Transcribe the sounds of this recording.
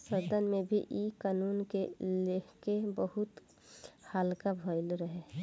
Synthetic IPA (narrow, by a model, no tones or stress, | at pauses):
səɾd̪ənmẽbʱiʔikaːnuːnkelekebəɦʊt̪ | haːlkabʱəɪlɾəɦeː